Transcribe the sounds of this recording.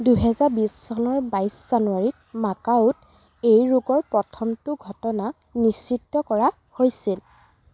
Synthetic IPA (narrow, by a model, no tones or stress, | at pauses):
duɦɛzaɹbissɔnɔɹbajsz̥anuaɹit̚ | makaʊt | ejɹuɡɔɹpɹɔtʰɔmtʊɡʱɔtɔna | nisːitːɔkɔɹa | hojsil